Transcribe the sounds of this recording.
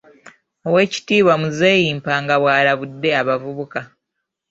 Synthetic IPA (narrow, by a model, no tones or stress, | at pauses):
o̞we̞ːci̥tiːβwamuze̞ːjiːmpaːŋɡaβwaːlaβudːe̞aβavuβuka